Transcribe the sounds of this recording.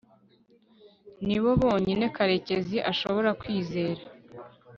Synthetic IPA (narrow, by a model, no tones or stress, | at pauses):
niβo̞βo̞ːɲine̞kaɾe̞ce̞ziʔaʃo̞βo̞ɾakwiːze̞ːɾa